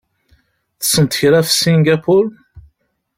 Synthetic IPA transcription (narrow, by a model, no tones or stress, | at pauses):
θə̥sːənt̪əçɾafsiŋɡapʰʊɾ